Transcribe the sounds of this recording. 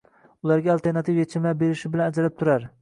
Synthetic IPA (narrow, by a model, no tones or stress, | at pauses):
ʊlˠaɾɡʲaːlˠt̪e̞ɾnat̪ʰɪfjet͡ʃʰɪmlabe̞ɾɪʃɪbɪlanad͡ʒalɪp̚t̪ʰʊɾaɾ